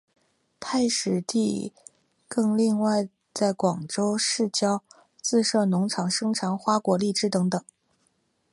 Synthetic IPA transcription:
t̪ʰa˥˩ɪʂɻ̩˨˩t̪i˥˧ | kɤ˥˧ŋli˥˧ŋwa˥˧ɪ | t͡sa˥˩ɪkwɑ˨˩ŋʈ͡ʂo˥ʊʂɻ̩˥˩t͡ɕjɑ˥ʊ | t͡sɹ̩˥˧ʂɤ˥˩nʊ˧˥ŋʈ͡ʂʰɑ˨˩ŋʂɤ˥ŋʈ͡ʂʰɑ˧˥ŋxwa˥kwɔ˧˥li˥˩ʈ͡ʂɻ̩˥t̪ɤ˧˥ŋt̪ɤ˨˩˦ŋ

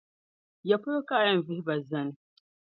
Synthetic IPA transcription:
ja˨pʊ˦ɾo˦kaː˦˨jɐ˦˨m˨vɪ˦hba˨zɐ˦n˦

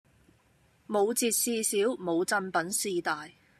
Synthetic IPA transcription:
mo˨˧wt͡siː˧t̚siː˧siː˨˥wmo˨˧wt͡sɐ˧npɐ˨˥nsiː˧t̪aː˨j

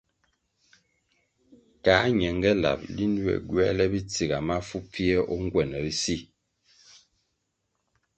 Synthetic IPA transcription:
kaː˨˦ɲɛ˨ŋɡɛ˦la̰˨p̚li˦ndwɛ̰˨ɡɥɛ˦lɛ˦bi˦t͡si˨ɣa˨ma˦fu˦pʰi˦ɛ˦ʔɔ˦ŋ˦ɡwɛ˨nɛ˨i˦si˦˨

